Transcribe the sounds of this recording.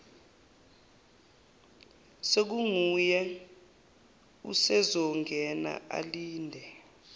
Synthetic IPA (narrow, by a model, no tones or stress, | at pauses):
sek̬uŋujɛ | ṵsɛzɔŋʱɛna̰ʔa̰liːndʱɛ